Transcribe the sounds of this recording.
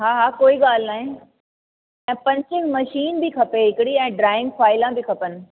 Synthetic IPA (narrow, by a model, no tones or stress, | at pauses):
ɦaːɦaːkoːiɠaːl̤naːɦẽ | ɛ̃ːpɐ̃ɲt͡ɕɪ̃ŋɡmɐʃiːnbikʰɐpeɦɪkɪɽiɛ̃ːɖɾaːɪ̃ŋɡfaːɪlãbikʰɐpənɪ̆